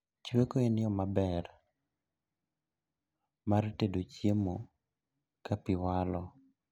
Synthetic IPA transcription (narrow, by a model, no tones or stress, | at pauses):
t͡ʃwekoenɪɔmabɛr | martedot͡ʃjemo | kapɪwalɔ